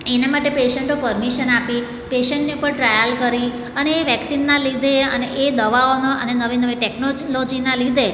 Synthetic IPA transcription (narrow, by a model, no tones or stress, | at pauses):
enamaʈepeʃəɳʈopəɾmiʃənapi | peʃəɳʈneupəɳʈɾajəlkəɾi | əneːʋɛksinːãlid̪ʱeəneʔed̪əʋaonoʔə̰nenəʋinəʋiʈɛknolod͡ʒinãlid̪ʱe